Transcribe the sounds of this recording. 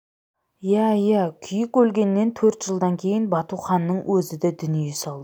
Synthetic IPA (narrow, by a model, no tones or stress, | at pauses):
jæjækʲʰʏjɪkʲwɵlɡʲe̞nːe̞nt̪ʰɵɾt̪ʒ̥əlˠd̪ɑŋkʲʰe̞jɪnbɑt̪uχɑnːəɴwʔɵzɪd̪ed̪ʏnjejsɑlˠd̪ə